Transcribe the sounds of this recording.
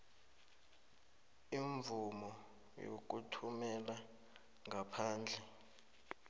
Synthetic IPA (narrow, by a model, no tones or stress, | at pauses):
iɱvumɔ | jo̰k̬utʰumɛla | ŋɡapʰaːnd͡ɮʱɛ